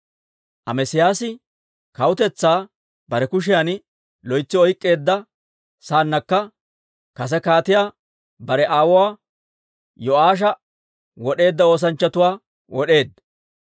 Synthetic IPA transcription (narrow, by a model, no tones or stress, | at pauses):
ʔɐ̰mɛsɪjaːsɪ | kɐwʊt̪ɛt͡sːaː | b̥ɐɾɛkʊʃ̬ɪjan | lɔjt͡sːɪɔjkʼːe̞ːd̪ːɐ | saːnːɐkːɐ | kɐs̬ɛkaːt̪ɪjaː | bɐɾɛʔaːwʊwaː | jɔaːʃ̬ɐ | wɔɗe̞ːd̪ːɐo̞ːs̬ɐnt͡ʃːɐt̪ʊwaː | wɔɗe̞ːd̪